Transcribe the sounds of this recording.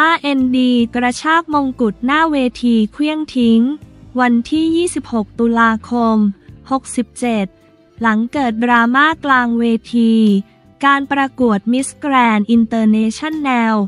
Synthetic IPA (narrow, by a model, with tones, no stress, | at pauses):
ʔaː˧ʔe˧ndiː˧kɾa˧t͡ɕʰaː˥˩k̚mo˧ŋku˨˩t̪̚naː˥˩weː˧t̪ʰiː˧kʰwi˥˩əŋt̪ʰi˦˥ŋwa˧nt̪ʰiː˥˩jiː˥˩si˨˩p̚ho˨˩k̚t̪u˧laː˧kʰo˧mho˨˩k̚si˨˩p̚t͡ɕe˨˩t̪̚ | la˩˦ŋkɤː˨˩t̪̚dɾaː˧maː˥˩klaː˧ŋweː˧t̪ʰiː˧ | kaː˧npɾa˧ku˨˩ət̪̚mi˦˥skɾɛː˧nʔi˧nt̪ɤː˧neː˧˥t͡ɕʰa˥˩nːɛ˧w